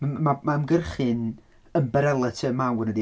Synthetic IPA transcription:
mamamɡərχɨn | əmbɛɾɛlˠətʰəmawnədi

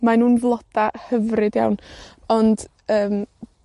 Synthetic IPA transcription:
manuːnvlˠɔd̥ahəvrɨdja̰wn | ɔnd̥ | əːm

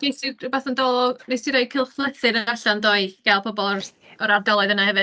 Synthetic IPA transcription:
nejsɪdbaθəndɔlˠɔnejsiɾajkʰɪlˠχlˠəθɨnəaɬandɔɨɡ̥alˠpʰɔbɔlˠr | ɔɾardɔlˠɔɨðənahɛvɨ

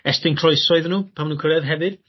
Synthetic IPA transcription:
ɛstɪnkʰr̥ɔjsɔɨðnuːpʰamnuːkʰəɾɛðɦɛvɨð̥

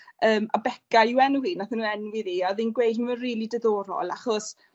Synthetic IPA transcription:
əːma̰bɛkauwɛnwinaθənuɛnwiðiaðinɡwejdmaənriːlˠidəðɔːɾɔ̰lˠaχɔs

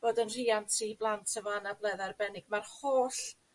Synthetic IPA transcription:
b̥oːdənr̥iːantʰiblˠantʰəvɔanablˠɛðarbɛnɪɡ̥̚marhoːɬ

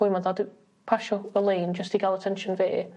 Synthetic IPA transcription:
ʊjməðad | pʰaʃɔəlẽːnd͡ʒəstiɡalˠətʰɛ̃nʃə̃nveː

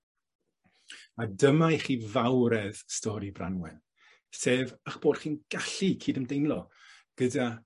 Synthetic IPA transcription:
adəmajχiːvawɾɛðstɔɾibra̰nwɛn | seːvaχb̥oːd̥χiːnɡ̥aɬikʰiːdəmdejnlˠɔ | ɡ̥əda

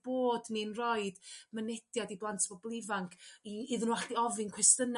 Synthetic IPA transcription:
b̥oːdninrɔɨd̥mənɛd̥jadiblˠantʰvɔblˠɪvaŋkʰiɪðənwaɬdiɔvɪnkʰwɛstən

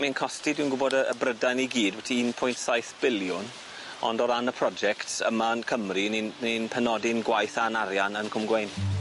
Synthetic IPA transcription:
minkʰɔstidwinɡʊbɔdəəbrədaniɡiːdwɛtʰiinpʰʊjntsajθb̥ɪljʊn | ɔ̰ndɔɾanəpʰrɔd͡ʒɛktʰə̰mankʰəmrininenpʰɛnɔdɪnɡwajθanaɾjanənkʰʊmɡwejn

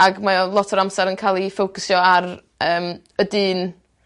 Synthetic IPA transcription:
aɡmalˠɔtʰɔɾamsaɾənkʰaːlˠifowkʰʊsjɔar | əːm | ədiːn

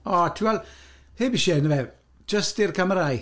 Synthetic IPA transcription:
ɔtʰɪwɛlˠ | heːbiʃɛnəvɛ̥ | d͡ʒəstɪrkʰaməɾaj

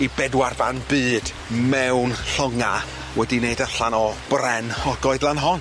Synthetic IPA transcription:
ibɛdwarbanbɨːd̥ | mɛwnɬəŋa | wɛdineɨdaɬanɔb̥rɛnhɔɡɔɨðlˠanɦɔn

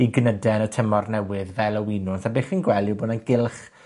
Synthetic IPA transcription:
iɡnədɛnətʰəmɔrnɛwɪðvɛlˠəwinʊnsabeːχiːnɡwɛlˠjuboːdənɡɪlˠχ

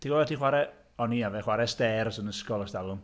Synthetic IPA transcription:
tʰiɡɔvɛtʰiːχwaɾɛ | ɔniavɛχwaɾɛstɛrsənəskɔlˠɔsdalʊm

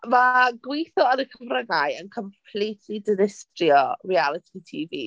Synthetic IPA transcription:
maɡwejθɔənəkʰəvrəɡajənkʰɔmpʰlˠitʰlidɪnɪstrjɔrialˠɪtʰitʰiːvi

